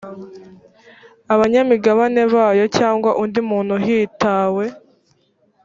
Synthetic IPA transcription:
aβaɲamiɡaβane̞βaːjo̞caːŋɡwaʔundimuːn̤̥huɦiːtaːwe̞

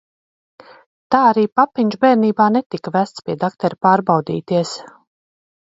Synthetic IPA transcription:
t̪aːaɾiːpapːiɲʒbɛːɾniːbaːnet̪ikvæst̪spiɛd̪akt̪ɛɾpaːɾbawd̪ḭːt̪iɛs

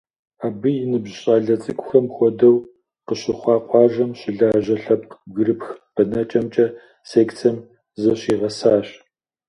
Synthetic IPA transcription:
aːbɨjɪnɨbɕʼɑːɮɐt͡sʼɨkʷʼʊxɐmxʷɔdɐw | qəɕɪχʷɑːqʷʼɑːʒɐmɕɪɮaːʑɐɬɐp̚qɡɨɾɨpxb̥ɐnɐt͡ʃʼɐmt͡ʃʼɐ | seːkt͡sʰɐm | zɐɕiːʁɐsaːɕ

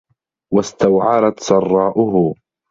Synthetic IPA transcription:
wast̪awʕɑɾˤat̪sɑrˤːɑːʔʊɦʊ

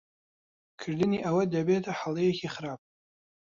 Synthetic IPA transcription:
kʰɨɾd̪ɨniːʔɐwɐd̪ɐbet̪ʰɐħalˠejɛkiχɨɾaːb̚

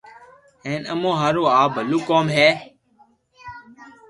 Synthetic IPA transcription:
eːnə̰mõːɦaːɾoːaːbʱəluːkoːmɦeː

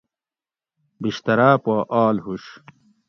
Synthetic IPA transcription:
biɕt̪ɐɾaːpaːʔaːlɦuɕ

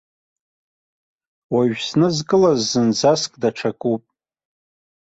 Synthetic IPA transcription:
waɥsnɨzkʼɨlazːɨnd͡zaskʼdaʈ͡ʂʰakʼupʼ

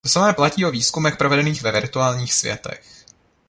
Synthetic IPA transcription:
osamɛːplaciːoviːskumɛxpɾovɛdɛniːxvɛvɪɾt̪uaːlɲiːxsvjɛ̰t̪ɛ̰x

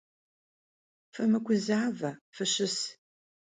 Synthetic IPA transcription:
fɨmɨkʷʊzaːvɐfɨɕɪs

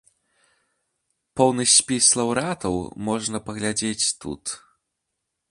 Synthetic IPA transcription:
pɔwnɐsʲpʲislˠɐwɾat̪ɐwmɔʐnɐpɐɣlʲad͡zʲet͡sʲt̪ṵt̪

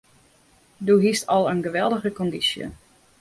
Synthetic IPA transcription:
duɦistʰɔlˠənɡəʋɛlˠdəɣəkɔndisjə̰

